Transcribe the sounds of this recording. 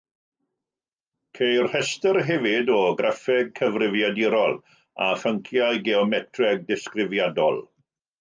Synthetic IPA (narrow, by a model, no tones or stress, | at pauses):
kʰejrhɛstərɦɛvɪdɔɡrafɛɡ̚kʰəvrɪvjadiɾɔlˠ | afəŋkʰjajɡeɔmɛtʰrɛɡ̚dɪskrɪvjadɔ̰lˠ